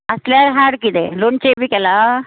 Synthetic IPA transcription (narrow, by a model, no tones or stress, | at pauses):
ɐslaːɾɦaːɽkid̪eloɳt͡ʃebikɛla